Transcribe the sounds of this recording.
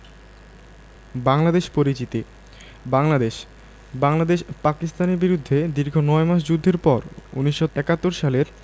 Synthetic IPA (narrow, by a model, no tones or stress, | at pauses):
baŋlad̪eʃpoɾit͡ɕit̪i | baŋlad̪eʃ | baŋlad̪eʃpakist̪aneɾbiɾud̪ʱːed̪iɾɡʱonɔemaʃ̬d͡ʑud̪ʱːeɾpɔɾṵniʃːoɛkat̪ːoɾʃaleɾ